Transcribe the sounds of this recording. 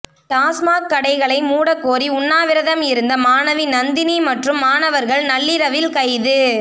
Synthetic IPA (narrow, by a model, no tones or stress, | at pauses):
ʈ̪aːsmaːkːɐɽɐɪɣɐɭɐɪmuːɽɐkːoːɾiʊɳːaːʋɪɾɐðɐmɪɾɯnd̪ɐmaːnɐʋɪnɐnd̪ɪnimɐʈrɯmːaːɳɐʋɐɾɣɐɭnɐɭːɪɾɐʋɪlkɐɪðɯ